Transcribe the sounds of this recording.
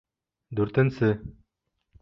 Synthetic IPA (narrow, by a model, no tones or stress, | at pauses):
d̪ʉɾt̪ɘ̆nsɘ